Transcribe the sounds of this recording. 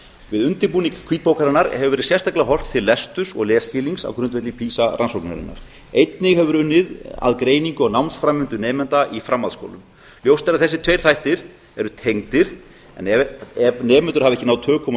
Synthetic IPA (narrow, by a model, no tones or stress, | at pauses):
vɪðʏnt̪ɪɾpuːnikʰviːt̪̚poːwkaɾɪnːaɾhɛvʏvɛːɾɪsjɛst̪aklaɦɔr̥t̪ʰːɪlːɛst̪ʏsɔ̰ɣlɛːscɪːliŋsa̰wkʰɾʏnt̪vɛt̪lɪpʰiːsaɾa̰nsɔwkna̰ɾɪ̰nːa̰ɾ̥ | ejt̪nɪɣhɛvʏɾʏnːɪða̰ðkɾeːjniŋkʏɔɣnawmnsfɾamʏnt̪ʏnɛːmɛnt̪aʔifɾamːaðsko̰wlʏm | ljowst̪ɛɾaðθɛsːɪt̪ʰvejɾ̥θajht̪ɪɾ̥ | ɛɾʏt̪ʰejŋt̪ɪɾ̥ | ɛ̰nɛɛvnɛːmɛnt̪ʏɾhavɛhcɪnaːwt̪ʰœːkʰɔm